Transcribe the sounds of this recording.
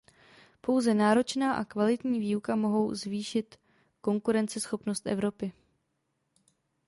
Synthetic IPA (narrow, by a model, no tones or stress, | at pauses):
po̞wzɛnaːɾo̞t͡ʃnaːʔakvalɪt̪ɲiːviːukamo̞ɦo̞wzviːʃɪt̪ | ko̞ŋkuɾɛnt͡sɛsxo̞pno̞st̪ʔɛ̰vɾo̞pɪ